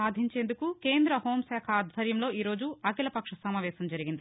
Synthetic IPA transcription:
aːd̪ʱiɲt͡ʃe̞ːnd̪ukukeːnd̪ɾɐhoːmsaːkʰɐaːd̪ʱʋɐɾjɐmlo̞ːiːɾo̞ːd͡ʒuɐkilɐpɐkʂɐsɐmaːʋɛːsɐmd͡ʒɐɾiɡind̪i

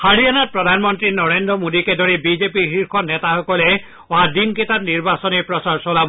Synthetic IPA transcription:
haɽianat̚pɹɔd̪ʱanmɔnt̪ɹinɔɹend̪ɾɔmod̪iked̪ɔɾibizepiɦiɾkʰɔnɛt̪axɔkɔle | wad̪inket̪atniɾbasɔnepɾɔsaɹsɔlab

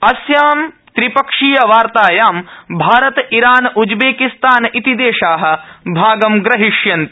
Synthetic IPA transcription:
ɐsjaːm | t̪ɾipɐkʂijɐʋaːɾt̪aːjaːmbʱaːɾɐt̪iɾaːnʔud͡ʒbeːkist̪aːnit̪id̪eːʃaːɦɐ̆bʱaːɡɐmɡɾɐɦiʂjɐnt̪

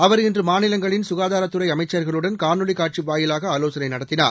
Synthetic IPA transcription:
ɐʋɐɾɛndrɯmaːnɪlɐŋɡɐɭɪnsʊɣaːðaːɾɐt̪ːɯɾɐɪɐmɐɪt͡ʃːɐɾɣɐɭɯɽɐnkaːɾnɯɭikaːʈ̚t͡ʃiʋaːjɪlaːɣɐɐloːsɐnɐɪnɐɽɐt̪ːɪna̰ː

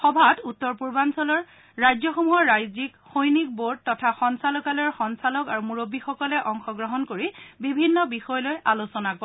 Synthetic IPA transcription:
xɔbʱatutːɔɹpuɹbansɔlɔɹ | ɹajzɔxomuɦɔɹːajzikxojnik̚boɹd̚tːɔtʰaxɔnsalɔkalɔɹxɔnsalɔkaɹumuɹobːixɔkɔlɛʔɔŋxɔɡɹɔɦɔnkoɹibibʱinːɔbixɔjlojʔalosɔnakɔ

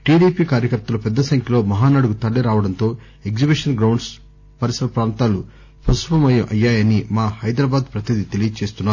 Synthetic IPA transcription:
ʈiːɽiːpiːkaːɾjɐkɐɾt̪ɐlɐpɛd̪ːɐsɐŋkʰɐlo̞ːmɐɦaːnaːɽuɡut̪ɐɭːiɾaːʋɐɽɐnt̪o̞ː | e̞ɡd͡ʒibiʂɐnɡɾɐwɳɖs | pɐɾisɐɾɐpɾaːnt̪aːlu | pʰɐsupɐmɐjɐʔɐ̰jːaːjɐnimaːhɐjd̪ɾaːbaːd̪pɾɐt̪id̪it̪e̞lijɐt͡ʃe̞ːst̪unːaːɾu

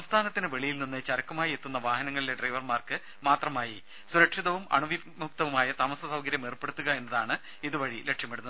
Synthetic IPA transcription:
sɐmst̪ʰaːnɐt̪ːinɨʋe̞ɭijilninːɨt͡ɕɐɾɐkːɐmaːjiet̪ːunːɐʋaːhɐnɐŋːɐɭile̞ɖrɐjʋɐrmaːrkɨ | maːt̪rɐmaːji | suɾɐkʂiðɐʋumɐ̰ɳuʋi | muk̚t̪ɐʋumaːjɐt̪aːmɐsɐsɐwɡɐɾjɐmerpːe̞ɽut̪ːuɣɐe̞nːɐðaːɳɨ | iðuʋɐɻilekʂjɐmpeɽunːɐð

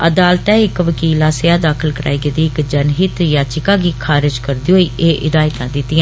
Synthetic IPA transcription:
əd̪aːlt̪ɛ̃ːɪkʋəkiːlãːseaːd̪aːkʰəlkəɾa̰ːiːɡeːd̪iːɪkd͡ʒənɦɪt̪jãːt͡ʃɪkãːɡiːkʰaːɾɪd͡ʒkəɾd̪iːɦoːiːʔeːʔɪ̰d̪aːɪt̪ãːd̪ɪt̪ːɪjãː

